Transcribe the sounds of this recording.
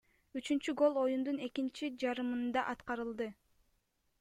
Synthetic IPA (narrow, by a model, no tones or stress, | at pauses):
yt͡ʃynt͡ʃyɡo̞lˠo̞jund̪une̞kint͡ʃid͡ʒɑɾɯmɯnd̪ɑʔɑt̪qɑɾɯlˠd̪ɯ